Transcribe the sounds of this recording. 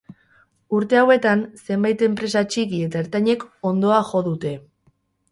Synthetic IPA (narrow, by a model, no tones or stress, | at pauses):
uɾt̪e̞awe̞t̪anse̞mbajt̪e̞mpɾe̞sat͡ʃikie̞t̪aeɾt̪aɲe̞ko̞nd̪o̞axo̞ðut̪e̞